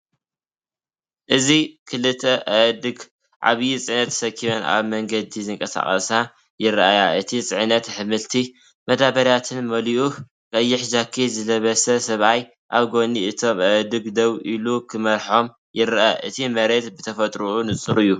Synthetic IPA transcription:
ʔɨzikʰɨlɨt̪ʰɐʔɐd̪ɨɡ | ʔa̰βjit͡sʼɨʕnɐt̪ʰːsɐkʰːiβona̰βmɐŋɡɐd̪izɨŋkʼɐsa̰χʼɐ̰sa | jɪɾajaʔɨt̪ʰit͡sʼɨʕnɐt̪ħɨmɨlt̪ʰi | mɐd̪aβɐɾjat̪ʰɨnmɐliʔu | kʼɐjːɪħʒakʰːizɨlɐβɐsɐsɐβaj | ʔaβɡo̞niʔɨt̪ʰo̞mʔɐd̪ɨɡd̪ɐβʔilukʰɨmɐɾħo̞m | jɪɾʔaʔɨt̪ʰimɐɾe̞t̪bɨt̪ʰɐfɐt̪ʼɾuunɨt͡sʼɨɾɨjːu

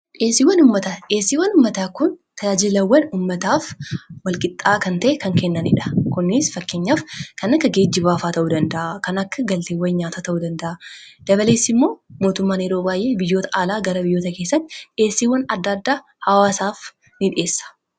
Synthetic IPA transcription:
ʔe̞ːsːiːwːɐnʊmːɐt̪aᶑeːsːiːwːɐnʊmːɐt̪aːkʊn | t̪ʰɐjaːd͡ʒɪlɐwːɐnuːmːɐt̪aːfwɐlkʼɪt̪ʼːaːkɐnt̪ɐʔɛkɐŋkɛnːɐnɪ̰ᶑɐkʊnːɪsfɐkːe̞ːɲːaːfkɐnɐkːɐɡe̞ːd͡ʒːɪbaːfaːt̪ɐʔud̪ɐnd̪ɐʔakɐnɐkːɐɡɐlt̪eːwːɐɲaːt̪aːt̪ɐʔud̪ɐnd̪ɐʔad̪̥ɐbɐle̞ːsːɪmːo̞ːmo̞ːt̪ʊmːaːneːɾo̞ːbaːjʔe̞ːbɪjːo̞ːt̪ɐʔaːlaːɡɐɾɐbɪjːoːt̪ɐke̞ːsːɐnᶑe̞ːsːiːwɐnɐd̪ːaːd̪ːaː | hɐwaːsaːf | nɪᶑɪʔe̞ːsːɐ̥

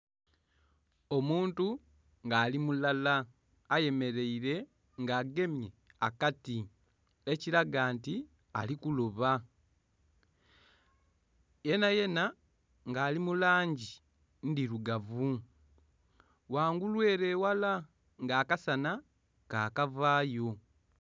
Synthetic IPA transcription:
o̞muːntu | ŋɡaːlimulalaː | je̞me̞ɾe̞iɾe̞ | ŋɡaːɡe̞mje̞akati | eciɾaɡaːnti | a̰likuloβa | je̞naje̞na | ŋɡaːlimulaːɲɟi | ndiɾuɡavu | waːŋɡulwe̞ːɾe̞ːwala | ŋɡaːkasana | kaːkavaːjo̞

